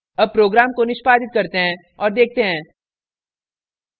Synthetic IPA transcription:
ɐb̚pɾoːɡɾaːmkonɪʃpaːd̪ɪt̪̚kɐɾt̪eɦɛ̃ | ɔːɾd̪eːk̚ʰt̪eɦɛ̃ː

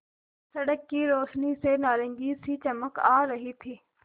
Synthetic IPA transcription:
sɐɽəkːiːɾoːʃniːseːnaːɾə̃ŋɡiːsiːt͡ʃɐməkaːɾɐɦit̪ʰiː

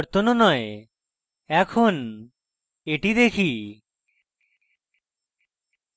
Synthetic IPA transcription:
ɾt̪ononɔe | ɛkʰon | eʈid̪ekʰi

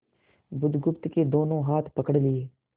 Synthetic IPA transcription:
bʊd̪ɡʊpt̪keːd̪oːnõːɦaːt̪ʰpəkəɽlɪeː

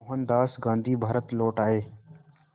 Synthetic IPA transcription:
ɦənd̪aːsɡãːnd̪ʱiːbʱaːɾət̪loːʈaːɦeː

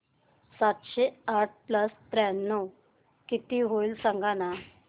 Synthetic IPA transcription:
sat̪ɕeaʈ̚ʰpləst̪ɾɛ̃nːɔw | kit̪iɦojlsaŋɡana

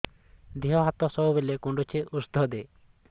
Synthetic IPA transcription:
d̪iɦɔɦat̪ɔsɔɦubelekuɳɖut͡ʃʰeʔusd̪ʱɔd̪e

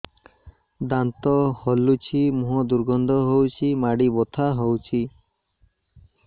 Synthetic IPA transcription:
d̪ant̪ɔhɔlut͡ʃʰimuɦɔd̪uɾɡɔnd̪ʱɔɦowt͡ʃʰimaɽibɔt̪ʰaɦowt͡ʃʰi

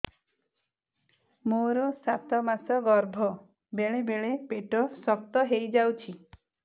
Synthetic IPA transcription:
moɾɔsat̪ʰɔmasɔɡɔɾbʱɔ | beɭebeɭepeʈɔsɔk̚t̪ɔɦejd͡ʒawt͡ʃʰi

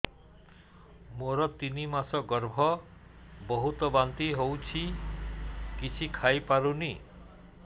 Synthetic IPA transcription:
moɾɔt̪inimasɔɡɔɾbʱɔ | bɔɦut̪ɔbant̪iɦowt͡ʃʰi | kit͡ʃʰikʰajpaɾuni

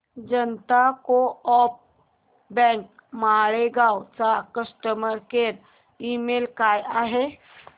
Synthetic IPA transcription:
d͡ʒənt̪akoɔːp̚ | bɛ̃ːŋk | maːɽeɡaːot͡ʃakəsʈəməɾkeɾ | iːmeːlkaːjaɦe

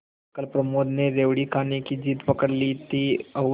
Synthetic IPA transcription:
kəlpɾɐmoːd̪neɾeːʋɽikʰaːnekid͡ʒiːt̪pɐkəɽlit̪iɐ

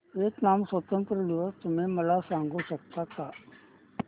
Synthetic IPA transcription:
eːknaːmsət̪ə̃mpɾəd̪ɪʋəst̪ʊmẽmɐlasãːŋɡʱoʃɐk̚t̪akaː

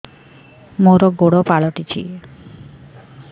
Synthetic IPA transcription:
moɾɔɡoɽopaɭɔʈit͡ɕʰḭe

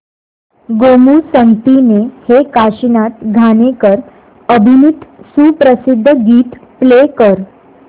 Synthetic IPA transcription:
ɡomusəŋɡt̪inehekaɕinat̪ɡʱanekəɾ | əbʱinit̪suːpɾəsid̪ʱːəɡiːt̪plekəɾ

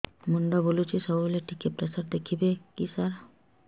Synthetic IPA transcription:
muɳɖɔbolut͡ʃʰisɔboleʈikepɾesaɾd̪ekʰibekisaɾ

